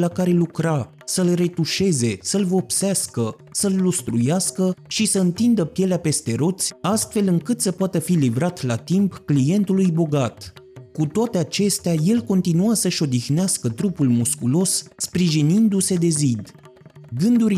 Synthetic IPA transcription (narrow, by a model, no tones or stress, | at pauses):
lakaɾe̞lukɾa | səlre̞t̪uʃe̞ze̞səlvo̞pseaskə | səlːost̪ɾujaskəʃisəɨnt̪ind̪əpje̞leape̞st̪e̞ɾo̞t̪sʲast̪fe̞lɨŋkɨt̪səpoat̪əfilivɾat̪lat̪impklije̞nt̪ulujbo̞ɡat̪kut̪oat̪e̞at͡ʃe̞st̪eaje̞lko̞nt̪inuasəʃo̞d̪ixneaskət̪ɾupulmuskulo̞sːpɾiʒinind̪use̞d̪e̞zid̪ɡɨnd̪uɾ